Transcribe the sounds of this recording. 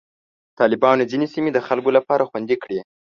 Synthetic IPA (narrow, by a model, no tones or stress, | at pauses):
t̪ɑlɪbɑnod͡zinesimed̪əxalkolapɑɾaxwand̪ikɽi